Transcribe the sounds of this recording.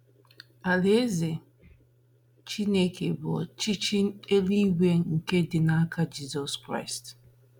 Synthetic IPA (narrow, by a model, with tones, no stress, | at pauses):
a˨le˦ze˨ | t͡ʃi˦ne˦ke˨bʊ˨ɔ̰˨t͡ʃi˦t͡ʃi˦n˦e˦li˦ɡʷe˦ŋ̩˨ke˦dɪ˨na˦a˦ka˦d͡ʒi˦zɔ˦skɾa̰˦ɪ˨st